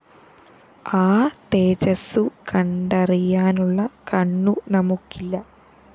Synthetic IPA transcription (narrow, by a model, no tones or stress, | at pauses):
aːt̪eːt͡ɕɐsukɐɳɖɐrijaːnuɭːɐkɐɳːunɐmukːilːɐ